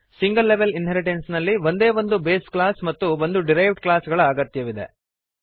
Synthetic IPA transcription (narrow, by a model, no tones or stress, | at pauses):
siŋɡɐlːeʋelinɦeɾiʈensnɐlːiʋo̞nd̪e̞ːʋo̞nd̪ube̞ːsklaːsmɐt̪ːuʋo̞nd̪uɖiɾɐjʋɖklaːsɡɐɭɐːɡɐt̪jɐʋid̪e̞̰